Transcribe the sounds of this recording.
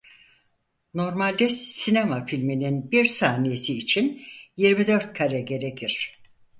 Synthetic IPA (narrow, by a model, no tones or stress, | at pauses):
no̞ɾmalʲd̪ɛsinemafilʲmininbiɾsaːnije̞siːt͡ʃʰinjiɾmid̪ø̞ɾt̪̚kʰaɾɛɟe̞ɾecʰiɾ̝̥